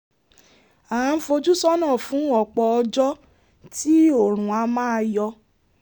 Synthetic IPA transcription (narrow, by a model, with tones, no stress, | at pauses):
a˨ã˧˦fo˧d͡ʒu˦sɔ˦nã˦˨fũ˨˦ɔ˨k͡pɔ˧ɔ˧d͡ʒɔ˦ | ti˦o˦˨ɾ̃ũ˨a˧mãː˦˧jɔ˧